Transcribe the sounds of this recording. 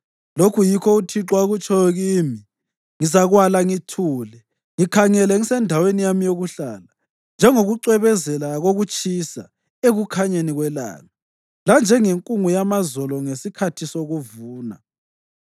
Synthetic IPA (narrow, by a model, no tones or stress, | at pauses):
lokʰujikʰɔutʰiǁwaɣut͡ʃʼʰɔjɔɣiːmi | ŋizaɣwalaŋitʰuːlɛ | ŋikʰaŋɛlɛŋisɛndʱawenijamijoɣuɬaːla | nd͡ʒʱɛŋoɣuǀwɛβɛzɛlaɣoɣut͡ʃʼisa̰ | eɣukʰaɲeniɣwɛla̰ːla | land͡ʒʱɛŋeŋkʼuŋujamazɔlɔŋesikʰatʰisoɣuvuːna̰